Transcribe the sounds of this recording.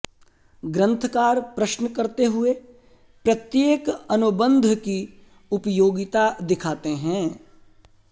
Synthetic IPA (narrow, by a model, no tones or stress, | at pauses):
ɡɾə̃nt̪ʰkaːɾpɾəʃnəkɐɾt̪eɦʊe | pɾɐt̪jeːkɐnʊbə̃nd̪ʱki | ʊpəjoːɡɪt̪ad̪ɪkʰaːt̪eɦɛ̃ː